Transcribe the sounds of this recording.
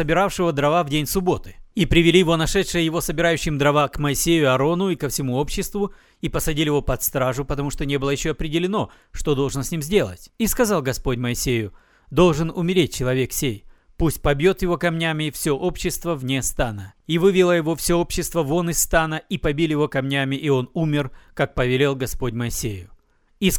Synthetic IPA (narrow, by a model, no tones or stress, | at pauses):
səbʲɪɾafʂɨvəd̪ɾɐvavdʲenʲsʊbo̞t̪ɨ̥ipɾʲɪvʲɪlʲijɪvo̞nɐʂɛt̪ʂɨjəjɪvo̞səbʲɪɾajʉɕːɪmd̪ɾɐvakməɪsʲejʊɐɾo̞nʊikəfsʲɪmuo̞pɕːɪst̪vʊ | ipəsɐdʲilʲɪjɪvo̞pɐt̪st̪ɾaʐʊpət̪ɐmuʂt̪o̞nʲe̞bɨlˠəjɪɕːoɐpɾʲɪdʲɪlʲɪno̞ | ʂt̪od̪o̞lˠʐɨnsʲnʲimzʲdʲe̞lˠə̰tʲiskɐzalˠɡɐspo̞tʲməɪsʲejʊ | d̪o̞lˠʐɨnʊmʲɪɾʲet̚ʲt͡ɕɪlˠɐvʲe̞ksʲej | pusʲt̚ʲpɐbʲjo̞t̪jɪvo̞kɐmnʲæmʲɪːfsʲoʔopɕːɪst̪vəvnʲe̞st̪anəivɨvʲɪlˠəjɪvo̞fsʲoo̞pɕːɪst̪vəvo̞nɨst̪anəipɐbʲilʲjɪvo̞kɐmnʲæmʲɪʔio̞numʲɪrkak̚pəvʲɪlʲelˠɡɐspo̞tʲməɪsʲejʊ | is